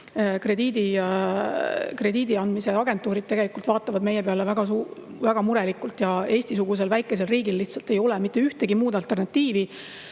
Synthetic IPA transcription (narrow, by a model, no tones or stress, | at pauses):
kre̞d̪iːd̪i | kre̞d̪iːd̪iɑnd̪mise̞ɑɡ̥e̞nt̪ˑuːɾid̪̥̚t̪e̞ɡ̥e̞likˑult̪vɑːt̪ːˑɑvɑd̪me̞jepeɑlevæɡ̥ɑsu | væɡ̥ɑmuɾe̞likːˑult̪jɑe̞ːsʲt̪is̬uɡ̥us̬e̞lvæjkːˑe̞s̬e̞lriːɡilːiht̪sɑlt̪ːe̞jo̞lɛmit̪ːe̞yht̪e̞ɡ̥imuːd̪ɑlt̪ːˑe̞rnɑt̪ːiːvi